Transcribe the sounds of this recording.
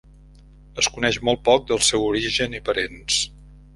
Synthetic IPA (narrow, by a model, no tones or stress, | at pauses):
əskunɛʃmɔlˠt̪̚pɔk̚d̪əlˠsɛwuɾiʒənipəɾens